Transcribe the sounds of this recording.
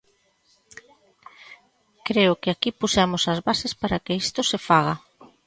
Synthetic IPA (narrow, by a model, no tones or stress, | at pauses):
kɾeʊkɪakipusamʊsɐzβasespaɾɐkɪist̪ʊsɪfaɣ̞ɐ